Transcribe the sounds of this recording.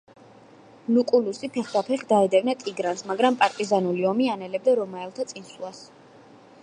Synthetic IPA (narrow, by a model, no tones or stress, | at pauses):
lukʼulusipʰɛχd̪apʰɛχd̪aɛd̪ɛvnat̪ʼiɡɾansmaɡɾampʼaɾt̪ʼizanuliɔmianɛlɛb̚d̪aɾɔmaɛlˠt̪ʰat̪sʼinsulˠas